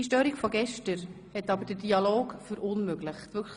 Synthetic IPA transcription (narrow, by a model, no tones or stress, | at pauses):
iʃtøːɾikfɔɡɛʃtəɾ | hɛtːɑbəɾdədiɑloːɡfyːɾʔʊnmøɡlɪχtʋʏkʰ